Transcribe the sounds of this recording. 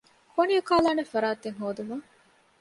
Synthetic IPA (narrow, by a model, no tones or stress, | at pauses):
konijukaːlaːnefɐɾaːt̪eŋɦoːd̪umɐ